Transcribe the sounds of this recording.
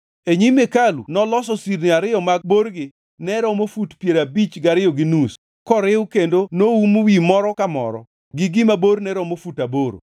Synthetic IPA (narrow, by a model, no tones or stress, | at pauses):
eɲimekalunɔlɔsɔsiɾnɪaɾɪɔmaɡ̚boɾɡɪ | nɛɾɔmofutpjeɾabit͡ʃɡaɾɪjɔɡɪnus | kɔɾɪwkendonoumwimɔɾɔkamɔ̰ɾɔ̰ | ɡɪɡɪmaboɾnɛɾɔmofutaboɾo̰